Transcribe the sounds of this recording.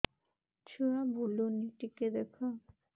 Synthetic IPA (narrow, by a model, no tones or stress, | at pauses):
t͡ɕʰuabʱuloniʈiked̪ɛkʰo